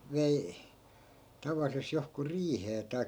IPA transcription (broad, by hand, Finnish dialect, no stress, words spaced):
ʋei tɑʋɑlːises johku riːheː tɑi̯kːɑ